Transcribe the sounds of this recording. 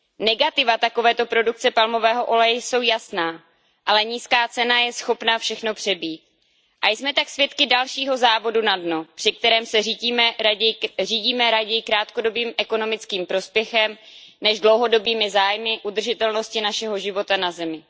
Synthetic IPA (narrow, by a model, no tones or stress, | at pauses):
nɛɡat̪ɪvat̪ako̞vɛːt̪o̞pɾo̞duk̚t͡sɛpalmo̞vɛːɦo̞ʔo̞lɛjɛso̞wjasnaː | ʔalɛɲiːskaːt͡sɛnajɛsxo̞pnafʃɛxno̞pr̝̥ɛbiːt̪̚ | ʔajsmɛt̪aksvjɛt̪kɪdalʃiːɦo̞zaːvo̞dunadnopr̥ɪk̚t̪ɛɾɛːmsɛriːɟiːmɛjriːɟiːmɛɾaɟɛjɪkɾaːt̪kodo̞biːmʔɛko̞no̞mɪt͡skiːmpɾo̞spjɛxɛmnɛʒdlowɦo̞do̞biːmɪzaːjmɪʔud̪r̩ʒɪt̪ɛlno̞scɪnaʃɛɦo̞ʒɪvo̞t̪anazɛmɪ